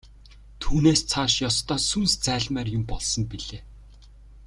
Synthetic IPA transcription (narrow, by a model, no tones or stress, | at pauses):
t̪ʰuːneːst͡sʰaːʃjɔst̪ɔːsunst͡sæːɮmæːrjʊmpɔɮsɞ̆mpiɮeː